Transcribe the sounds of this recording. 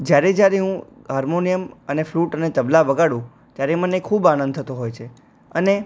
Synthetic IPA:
d͡ʒjaɾed͡ʒjaɾeɦũ | ɦaɾmonijəmənefluʈənet̪əblaʋəɡaɽũ | t̪jaɾeməneekʰːubanə̃nd̪t̪ʰət̪oɦojt͡ʃʰe | əne

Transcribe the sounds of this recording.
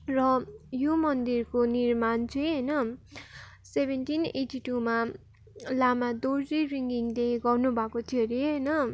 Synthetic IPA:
rʌjomʌnd̪irkonirmant͡sʰuɦʌjnʌ | sebʱenʈineʈiʈuma | lamad̪orziriŋɡiŋleɡʌrnubʱakot̪ʰijʌɾiɦʌjnʌ

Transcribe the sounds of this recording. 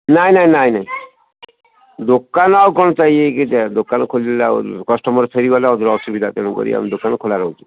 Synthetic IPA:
naĩnaj̃naj̃naĩ | d̪okanawkɔnɔt͡ʃaieked͡ʒed̪okanɔkʰolilla̰kɔsʈɔmɔɾpʰeɾiɡɔleɔd̪ɔɾɔsubid̪ʱat̪eɽ̃ukɔ̰ɾḭa̰mid̪okanɔkʰolaɾɔɦut͡ʃʰi

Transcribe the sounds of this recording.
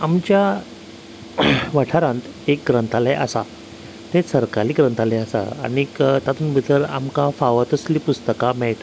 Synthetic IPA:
amt͡ɕja | ʋəʈʰaɾãnt̪ | ek̚ɡɾənt̪ʰalajʔa̰sa | t̪ẽsəɾkaɾiːɡɾənt̪ʰalaasa̰a̰ɽ̃ikt̪at̪uːnbəd͡zəla̰mkafaʋat̪əsliːpust̪əkamɛɭt̪

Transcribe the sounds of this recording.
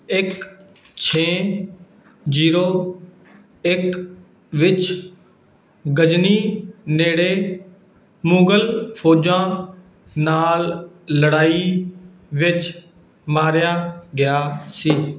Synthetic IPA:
ɪk | t͡ʃʰeː | d͡ʒiːɾoː | ɪk | ʋɪt͡ʃ | ɡəd͡ʒniːneːɽeː | mũːɡəlpʰoːd͡ʒãː | naːlː | əɽaːiː | ʋɪt͡ʃ | maːɾjaːɡɪjaːsiː

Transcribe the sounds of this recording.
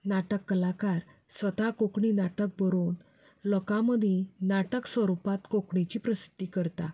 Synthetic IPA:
naʈəkːəlakaɾ | sʋət̪akokɳinaʈək̚bəɾon | lɔkãməd̪ʱẽnaʈəksʋəɾupat̪kokɳit͡ɕipɾəsi̥t̪ːikəɾt̪a

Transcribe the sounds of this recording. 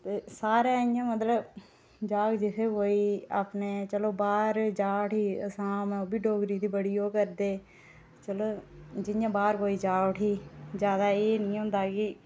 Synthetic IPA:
t̪eːsaːɾaːɪjãːmət̪ləb | d͡ʒaːɡd͡ʒɪt̪ʰeːkoːiːaːpneːt͡ʃəloːbaːɾd͡ʒaːʈʰiːə̰sãːmɛ̃ːoːbʱiːɖoːɡɾiːd̪iːbəɽiːoːkəɾd̪eː | t͡ʃəloːd͡ʒɪnjãːbaːɾkoːiːd͡ʒaːʈʰiːd͡ʒjaːd̪aːeːnĩːɦʊ̃ːnd̪aːkɪ

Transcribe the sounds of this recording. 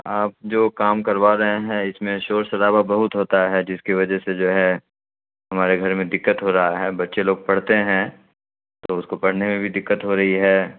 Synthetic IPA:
aːp̚d͡ʒoːkaːmkɐɾʋaːɾɐɦeɦɛ̃ɪsmẽʃoːɾsɐɾaːbabɐɦʊt̪ɦoːt̪aɦɛd͡ʒɪskiʋɐd͡ʒɛsed͡ʒoːɦɛ | ɦɐmaːɾeɡʱɐɾmẽd̪ɪkːət̪ɦoɾɐɦaɦɛːbɐt̪ːʃeloːɡ̚pɐɽ̤t̪eɦɛ̃ː | t̪oʊskopɐɽ̤nemẽbʱid̪ɪkːət̪ɦoɾɐɦiɦɛː

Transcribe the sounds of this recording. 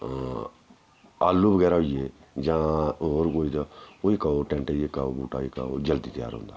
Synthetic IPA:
aːlːubəɡɛːɾaːɦoieː | d͡ʒãːoːɾkoːiːt̪ːoikaoʈɛ̃ːɳʈeiekaoːbuːʈaːika̰ːo̰ːd͡ʒəld̪iːt̪əja̰ːɾɦõ̰ːnd̪a̰ː

